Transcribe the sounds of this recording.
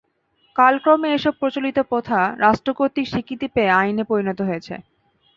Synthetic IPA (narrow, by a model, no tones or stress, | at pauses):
kalkɾomeeʃɔb̚pɾot͡ɕolit̪opot̪ʰaɾaʃʈɾokoɾt̪ikʃikʰːit̪ipeeajnepɾoɾinot̪oɦojet͡ɕʰḛ